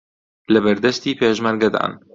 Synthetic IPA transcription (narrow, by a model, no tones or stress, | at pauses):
lɐbɐɾd̪ɐst̪iːpʰeːʒmɐɾɡɐd̪a̰ːn